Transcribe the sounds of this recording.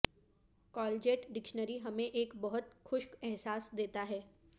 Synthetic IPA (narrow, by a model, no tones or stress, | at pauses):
kɔːld͡ʒeːʈɖɪkʃnəɾiɦɐmẽʔeːkbɐɦʊt̪xʊʃkɛɦsaːsd̪eːt̪aɦɛː